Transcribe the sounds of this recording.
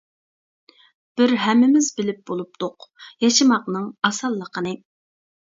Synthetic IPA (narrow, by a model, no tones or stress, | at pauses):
b̥ɪɾɦɛmːɪmɪzbɪlɪp̚bolˠup̚t̪ʊqjɑʃɨmɑqnɨŋɑsɑlˠːəqʰənɨ